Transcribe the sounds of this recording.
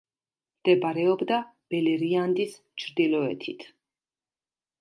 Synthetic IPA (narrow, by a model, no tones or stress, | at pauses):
md̪̥ɛbaɾɛɔbd̪a | b̥ɛlɛɾiand̪is | t͡ʃʰɾd̪ilɔɛ̰t̪ʰit̪ʰ